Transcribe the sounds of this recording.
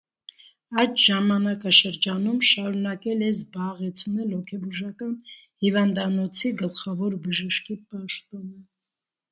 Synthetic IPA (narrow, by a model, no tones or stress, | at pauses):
ɑjt̪ʰʒɑmɑnɑkɑʃəɾd͡ʒɑnumʃɑɾunɑkɛlɛzbɑʁɛt͡sʰnɛlhɔkʰɛbuʒɑkɑn | hivɑnd̪ɑnɔt͡sʰiɡəlχɑvɔɾbəʒəʃkipɑʃt̪ɔnə